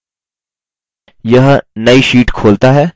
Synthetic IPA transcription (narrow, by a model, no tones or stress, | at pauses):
jəɦənəiʃiːʈkʰoːlt̪aɦɛː